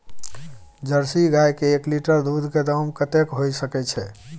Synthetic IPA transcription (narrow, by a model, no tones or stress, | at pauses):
d͡ʒəɾsiɡajkeːkliʈəɾd̪ud̪ʱked̪əmkət̪ekɦojsəkɛt͡ʃʰɛ